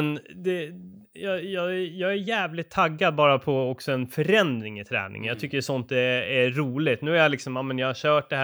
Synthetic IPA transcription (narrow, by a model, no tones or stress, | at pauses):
nd̪ɛ | jɑjɑːæjɑːɡæjæːvlɪt̪ʰːaɡːad̪̚bɑːɾapʰɔɔksɔɛnfœɾɛnd̪ɾɪŋɪt̪ʰɾɛ̰ːnɪ̰ŋnjɑːt̪ʰʏkːəʂɔnt̪ɛæɾuːlɪt̪nʉ̟ːæɾjalɪksɔmjaːmɛnjɑːhaɕœːʈ̚ɖ̪ɛhæ